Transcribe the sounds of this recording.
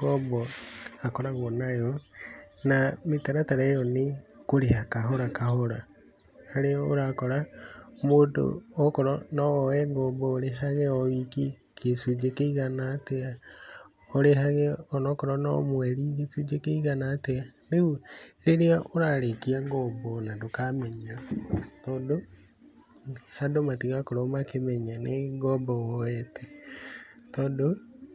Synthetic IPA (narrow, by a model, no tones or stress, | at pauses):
ɣɔbɔakɔɾaɣɔnajɔ | nametaɾataɾejɔnekoɾehakaɦoɾakahoɾa | aɾeɔoɾakɔɾamoːdo̰ɔkɔɾɔnɔɔɛɡɔːbɔːɾeɦaɣɛɔβiki | kʰesud͡ʒekeiɣanaːtea | ɔɾeɦaɣɛɔnɔkɔɾɔnɔ̰mwɛɾikesud͡ʒekeiɣanateaneuleɾeaʔoɾaɾekiaɡɔbɔnadokamɛɲatɔːdo | hadomatiɣakoɾɔmakemɛɲaneɡɔbɔwɔɛtʰe | tɔːdo